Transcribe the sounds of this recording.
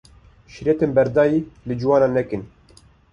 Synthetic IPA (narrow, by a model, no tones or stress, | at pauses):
ʃiɾɛt̪enbɛɾd̪ɑːjiːlɨd͡ʒuwɑːnɑːnɛkɨn